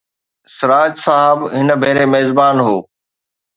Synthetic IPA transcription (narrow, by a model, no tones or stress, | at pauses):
sɪɾaːd͡ʒsaɦəbɦɪnbʱeːɾemeːzbaːnɦoː